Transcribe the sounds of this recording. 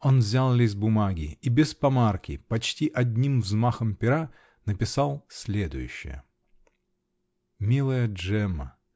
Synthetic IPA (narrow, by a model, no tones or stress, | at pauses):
o̞nvzʲalˠlʲɪzʲbʊmaɡʲɪibʲɪspɐmarkʲɪpɐt͡ɕtʲiʔɐdʲnʲimvzmaxəmpʲɪɾa | nəpʲɪsalˠsʲlʲed̪ʊ̰jʉ̰ɕːɪ̰jə̰ | mʲilˠəjəʐɛmːə